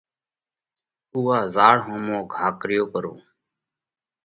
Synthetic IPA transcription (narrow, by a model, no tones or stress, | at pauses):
uːaːzaːɽɦoːmõːɡʱaːkɾɪjoːkəɾõː